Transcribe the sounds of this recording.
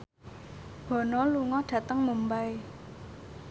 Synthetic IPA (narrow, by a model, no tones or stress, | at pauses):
b̥ɔ̤nɔluŋɔɖ̥ä̤t̪əŋmumbaj